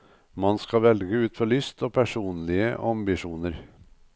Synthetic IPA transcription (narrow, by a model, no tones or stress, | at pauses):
mɑnskɑʋɛlɡəʉːt̪fɔɭʏst̪ʰoːpʰæʂuːnlɪə̰ʔɑmbɪʂuːnəɾ